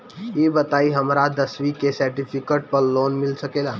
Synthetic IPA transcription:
eːbət̪aiɦəmɾad̪əsʋikesəɾʈipʰikeʈ̚pəɾloːnmɪlsəkela

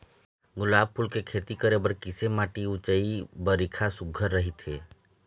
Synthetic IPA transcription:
ɡʊlaːb̚pʰʊlkekʰeːt̪ikəɾebəɾkɪsemaːʈiʊt͡ʃəibəɾikʰasʊɡʱəɾːəɦit̪eː

